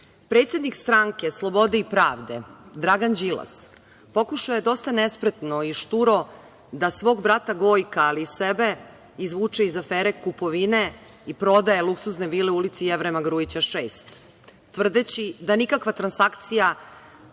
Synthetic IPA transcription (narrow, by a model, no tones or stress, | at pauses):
pɾet̪sʲjed̪nikst̪ɾaŋke̞slˠo̞bo̞d̪eipɾaːʋd̪e̞̰d̪ɾaɡand͡ʑila̰s | po̞kuʃajed̪o̞st̪anespɾet̪no̞iʃt̪uɾo̞ | d̪asʋo̞ːɡbɾat̪aɡo̞jkaːliːsebe̞ | izʋuːt͡ʂeizafeːɾe̞kupo̞ʋine̞ | ipɾo̞d̪aje̞lˠuksuzneʋiːleulit̪sijeʋɾemaɡɾujit͡ɕaʃeːst̪ː | ʋr̩d̪et͡ɕid̪anikakʋat̪ɾansakt̪sija